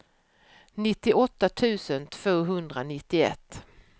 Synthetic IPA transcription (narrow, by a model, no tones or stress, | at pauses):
nɪt̪ːɪʔɔt̪ːat̪ʰʉ̟ːsənt̪ʰv̥oːɦɵnd̪ɾanɪt̪ːɪɛ̰t̪ː